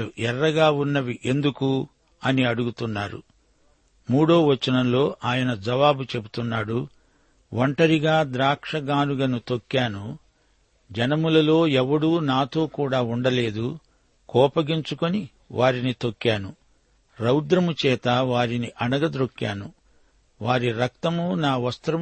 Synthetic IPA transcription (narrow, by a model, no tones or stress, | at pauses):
uʔɛrːɐɡaːunːɐʋiʔe̞nd̪uku | ɐniɐɽuɡut̪unːaːɾṵ | muːɽo̞ːʋɐt͡ʃːɐnɐmlo̞ːʔaːjɐnɐd͡ʒɐʋaːbut͡ʃe̞but̪unːaːɽu | ʋɐɳʈɐɾiɡaːd̪ɾaːkʂɐɡaːnuɡɐnut̪o̞kːaːnu | d͡ʒɐnɐmulɐlo̞ːɛʋːɐɽuːnaːt̪o̞ːkuːɽaːuɳɖɐle̞ːd̪u | kɔːpɐɡiɲt͡ʃukoni | ʋʔaːɾinit̪o̞kːaːnu | ɾɐwd̪ɾɐmut͡ʃɛːt̪ɐʋaːɾiniʔɐnɐɡɐd̪ɾokːja̰ːnu | ʋaːɾiɾɐkt̪ɐmunaːʋɐst̪ɾɐ